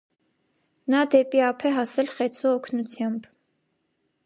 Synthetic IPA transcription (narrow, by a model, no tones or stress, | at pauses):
nɑd̪ɛpiɑpʰɛɦɑsɛlχɛt͡sʰɔɔkʰnut͡sʰjɑmb